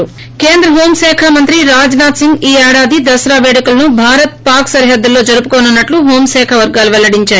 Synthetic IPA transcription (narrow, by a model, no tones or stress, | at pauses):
ke̞ːnd̪ɾɐɦoːmsɛːkʰamɐnt̪ɾiɾaːd͡ʒnaːt̪siŋɡiːɛːɽaːd̪id̪ɐsɾaːʋeːɽikulɐnubʱaːɾɐt̪̚paːɾksɐɾiɦɐd̪ːulːo̞ːd͡ʒɐɾupukoːnɐnːɐʈluɦoːmsɛːkʰɐʋɐɾɡaːluʋɛlɐɽiɲt͡ʃaːɾu